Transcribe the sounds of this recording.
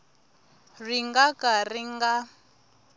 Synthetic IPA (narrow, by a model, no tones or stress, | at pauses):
riŋɡakariŋɡa